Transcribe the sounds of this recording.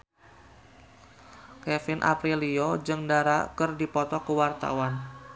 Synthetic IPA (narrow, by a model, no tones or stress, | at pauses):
kɛfɪnʔa̰pɾiliod͡ʒɨŋdaɾa̰kɨrdipɔt̪ɔkəwart̪a̰wan